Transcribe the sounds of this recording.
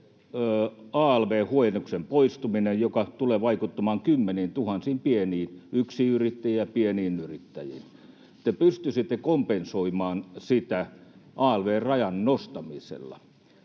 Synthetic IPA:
øːɑːlʋeːhuojenoksempoist̪uminejjokɑt̪uleːʋɑikut̪ːɑmɑːŋkymːeniːnt̪uhɑnsiːmpieniːnyksiyrit̪ːæjiːjɑpieniːnyrit̪ːæjḭːn | t̪epyst̪ysit̪ːekompensoimɑːnsit̪æʔɑːelʋeːrrɑjɑnnost̪ɑmisḛlːɑ̰

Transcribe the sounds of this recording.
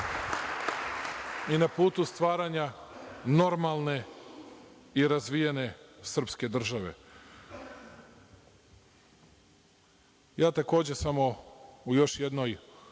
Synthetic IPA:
inapuːt̪ust̪ʋaːɾaɲano̞ɾmalˠne̞ | iɾazʋijene̞sr̩pske̞d̪r̩ʒaʋe̞̰ | jaːt̪ako̞ːd͡ʑe̞samo̞ujo̞ʃje̞d̪no̞j

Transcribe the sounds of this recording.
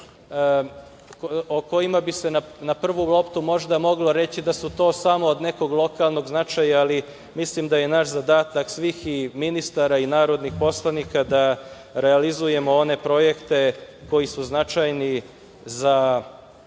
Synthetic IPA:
oko̞imabise̞nanapr̩ʋulˠo̞pt̪umo̞ʒd̪amo̞ɡlo̞ɾe̞t͡ɕid̪asut̪o̞ːsamo̞ːd̪ne̞ko̞ɡlˠo̞kalˠno̞ɡznat͡ʃajaːli | mislimd̪aje̞naʃzad̪aːt̪aksʋiːximinist̪aɾainaːɾo̞d̪nixpo̞slˠanikad̪a | ɾe̞alizuje̞mo̞o̞ne̞pɾo̞je̞kt̪e̞ | ko̞jisuznat͡ʃajni | za

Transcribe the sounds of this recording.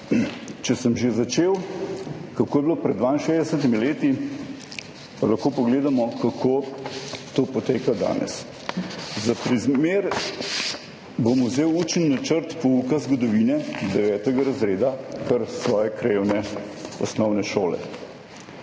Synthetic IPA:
t͡ʃɛsəmʒezat͡ʃeːw | kakoːjɛbilopɾɛd̪d̪ʋaːinʃeːzd̪ɛsət̪̬imileːt̪i | palaxkoːpɔɡleːd̪amɔkakʰoː | t̪oːpɔt̪eːkad̪a̰ːnɛ̰s | zapɾizmeːɾ | bomʊzeːwuːt͡ʃənːat͡ʃəɾt̪pɔuːkazɡɔd̪ɔʋiːnɛd̪ɛʋɛːt̪ɛɡaɾɐzɾeːd̪akəɾsʋɔːjɛkɾewnɛɔsnɔwnɛʃoːlɛ̰

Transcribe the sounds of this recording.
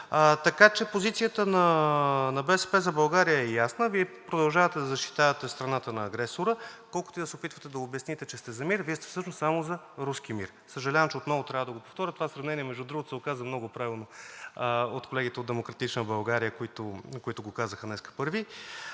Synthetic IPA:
t̪ɐkat͡ʃɛpozit̪sijət̪ənɐnɐbɛsɛpɛzɐbɐlˠɡaɾijəɛjasnəviɛpɾod̪ɐlˠʒavət̪ɛd̪ɐzɐʃt̪i̥t̪avət̪ɛst̪ɾɐnat̪ənɐːɡɾɛsoɾəkɔlˠkʊ̥t̪id̪ɐsɛopit̪vət̪ɛd̪ɐobjɐsnit̪ɛt͡ʃɛst̪ɛzɐmiɾviɛst̪ɛ̥fsɤʃnossamozɐ | ɾusk̟imḭɾ | səʒɐlʲavɐmt͡ʃɛot̪nɔvot̪ɾʲavəd̪ɐɡopoft̪ɔɾʲət̪ovasɾɐvnɛniɛmɛʒd̪ud̪ɾuɡot̪ʊ̥sɛokazɐmnɔɡʊpɾavʲilˠno | ot̪kolɛɡ̟it̪ɛod̪ɛmokɾɐt̪it͡ʃnəbɐlˠɡaɾijəkoit̪ʊkoit̪ʊɡokazəxənɛskə̥pɤɾvi

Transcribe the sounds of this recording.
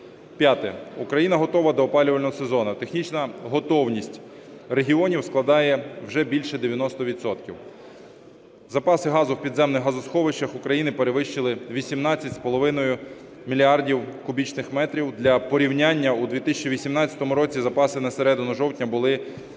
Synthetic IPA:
pʲjat̪ɛukɾɐjinɐɦɔt̪ɔʋɐd̪ɔːpɑlʲʊʋɐlʲnɔɦɔsezɔnɐt̪e̞xnʲit͡ʃnɐɦɔt̪ɔwnʲisʲtʲ | reɦʲiɔnʲiwsklˠɐd̪ɑjɛwʒɛbʲilʲʃɛd̪eʋʲjɐnɔst̪ɔʋʲit̪sɔt̪kʲiw | zɐpɑsɪɦɑzʊwpʲid̪zɛmnɪxɦɐzʊsxɔʋɪʃt͡ʃɐxukɾɐjinɪpeɾeʋɪʃt͡ʃɪlˠɪʋʲisʲimnɑt͡sʲːɐtʲspɔlˠɔʋɪnɔjʊ | mʲilʲiɑrdʲiwkʊbʲit͡ʃnɪxmɛt̪ɾʲiwd̪lʲɐpɔɾʲiwnʲanʲːɐud̪ʋʲit̪ɪsʲɐt͡ʃiʋʲisʲimnɑt͡sʲɐ̥t̪ɔmʊɾɔt͡sʲizɐpɑsɪnɐseɾɛd̪ɪnʊʒɔwtʲnʲɐbʊlˠɪ

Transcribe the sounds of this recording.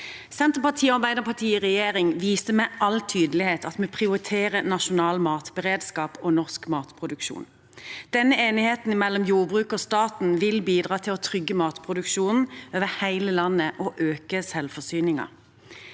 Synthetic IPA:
sɛnt̪ʁpɑt̪ʰiːɔɑʁbæɪd̪əʁpʰɑt̪ʰiːʁɛjeːʁɪŋʋiːst̪əmæʔɑlt̪ʰyːd̪əlɪheːt̪ɑt̪mɛpʰʁɪʊʁɪt̪ʰeːʁənɑʃʊnɑːlmɑːt̪bəʁeːd̪skɑːpɔnɔʁskmɑːt̪pʰʁʊd̪ʉkʃṵːn | d̪̥ɛnːəeːnɪheːt̪n̩mɛlːɔmjuːʁbʁʉːkɔst̪ɑːt̪n̩ʋɪlbiːd̪ʁɑːt̪ʰɪlɔt̪ʰʁʏɡːəmɑːt̪pʰʁʊd̪ʉkʃuːnn̩øːʋəhæɪləlɑnːəʔɔʔøːkəsɛlfɔsyːnɪŋɑ̰

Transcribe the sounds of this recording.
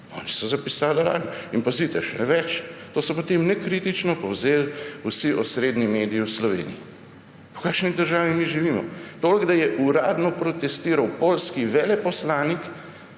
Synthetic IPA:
ɔ̰ːnisɔzapisaːlaɾa̰ːd̪iinpazit̪ɛʃɛ̰nɛʋɛt͡ʃt̪oːsɔpot̪emnɛkɾit̪it͡ʃnɔpɔwzeːlusiʔɔsɾeːd̪nimeːd̪iiwslɔʋḛːnḭji | ukaːkʃnid̪əɾʒaːʋimiʒiʋiːmɔ̰t̪oːlɡd̪ajɛʔuɾaːd̪nɔpɾɔt̪ɛst̪iːɾawpolskiʋɛːlɛpɔslaːnik

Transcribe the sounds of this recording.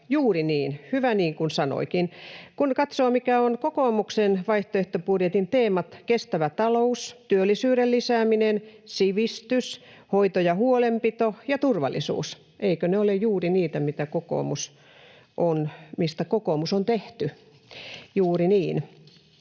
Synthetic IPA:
juːriniːnhyʋæniːŋkunsɑno̰ikinkunkɑt̪soːmikæonkokoːmuksenʋɑiht̪oeht̪opurjet̪int̪eːmɑt̪kest̪æʋæt̪ɑloust̪yølːisyːɾellisæːminensiʋist̪ys | hoit̪ojɑhuolempit̪ojɑt̪urʋɑ̰lːˑisṵːs | ʔeikøneolejuːriniːt̪æmit̪ækoko̰ːmus | ʔonmist̪ækokoːmusont̪eht̪y | juːriniːn

